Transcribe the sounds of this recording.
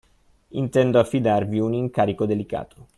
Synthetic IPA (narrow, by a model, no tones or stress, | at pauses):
int̪ɛnd̪oafːid̪arviuniŋkaːɾikod̪elika̰ːt̪ʰo̥